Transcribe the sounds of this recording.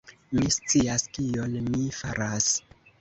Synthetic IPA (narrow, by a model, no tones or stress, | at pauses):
mist͡siaskio̞nmifaɾas